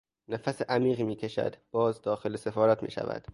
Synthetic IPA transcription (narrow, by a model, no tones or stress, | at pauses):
næfæseʔæmiːɣiːmiːcʰe̞ʃæ̰d̪b̥ɒːzd̪ɒːxelesefɒːɾæt̪ʰmḭːʃæ̰væ̰d̪̥